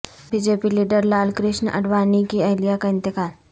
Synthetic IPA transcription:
biːd͡ʒeːpiliːɖəɾlaːlkɾɪʃnɐ̰ɖwaːnikiɐɦlijakaɪ̃nt̪ɪkaːl

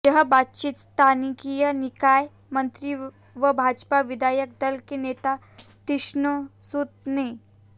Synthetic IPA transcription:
jəɦəbat̪t͡ɕit̪st̪ʰanikijənikaj | mənt̪ɾi | ʋəbʱad͡ʒpaʋid̪ajək̚d̪əlkenet̪a | t̪iʂnusut̪̚ne

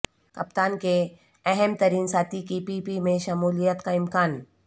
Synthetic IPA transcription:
kɐpt̪aːnke | ɛɦɛmt̪ɐɾiːnsaːt̪ikipiːpimẽʃɐmuːlijət̪kaɪmkaːn

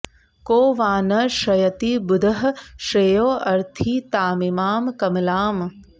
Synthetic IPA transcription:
koːʋaːnɐʃɐjɐt̪ibʊd̪ʱɐɦɐʃeːjoːʔɐɾt̪ʰiːt̪aːmimaːmkɐmlaːm

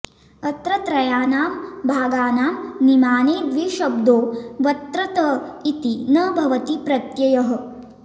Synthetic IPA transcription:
ɐt̪ɾɐt̪ɾɐjaːnaːmbʱaːɡaːnaːmnimaːneːd̪ʋiʃɐb̚d̪oːʋɐt̪ɾɐt̪ɐit̪inɐbʱɐʋɐt̪ipɾɐt̪jɐjɐɦɐ̆

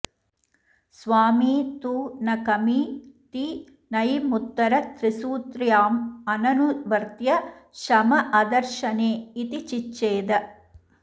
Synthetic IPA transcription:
sʋaːmiːt̪uːnɐkɐmiːt̪i | nɐjimut̪ːɐɾɐt̪ɾisuːt̪ɾjaːmɐnɐnuʋɐɾt̪jɐʃɐmɐʔɐd̪ɐɾʃɐneːit̪it͡ʃit͡ʃːeːd̪ɐ

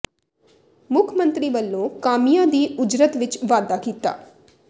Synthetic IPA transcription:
mʊkʰmənt̪ɾiːʋəlːõːkaːmijãːd̪iːʊd͡ʒɾət̪ʋɪt͡ʃʋaːd̪aːkiːt̪a̰ː

